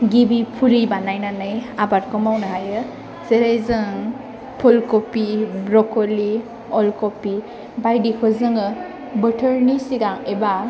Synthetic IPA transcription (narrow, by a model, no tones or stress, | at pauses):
ɡibipʰulibanajnanɯjabaɾkɔmawnɯɦajɯ | z̥eɾajzɯŋ | pʰɔlkopibɾɔkoli | ɔlkopi | bajdikʰɔzɯŋɯ | bɯtʰəɾnisiɡaŋeba